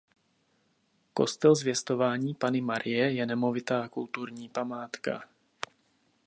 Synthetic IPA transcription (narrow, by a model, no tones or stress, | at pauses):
ko̞̰st̪ɛlzvjɛst̪o̞vaːɲiːpanɪmaɾʔɪjɛjɛnɛmo̞vɪt̪aːkult̪uɾɲiːpamaːt̪ka̰